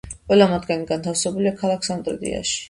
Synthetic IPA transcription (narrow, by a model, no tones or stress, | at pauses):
qʼwɛlamad̪ɡaniɡant̪ʰafsɛbuliakʰalˠakʰsant̪ʼɾɛ̰d̪ḭa̰ʃi̥